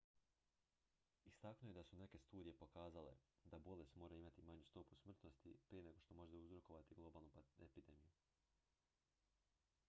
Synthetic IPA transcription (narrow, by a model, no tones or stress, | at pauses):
ist̪aknoje̞d̪asune̞ke̞st̪uːd̪ije̞po̞kaːzale̞̰d̪abo̞le̞st̪mo̞ːɾaimat̪imaɲust̪o̞pusmr̩t̪no̞st̪ipɾije̞ne̞ɡo̞ʃt̪o̞mo̞ʒet̪uzɾo̞ko̞ʋat̪iɡlˠo̞baːlˠnupepid̪e̞miju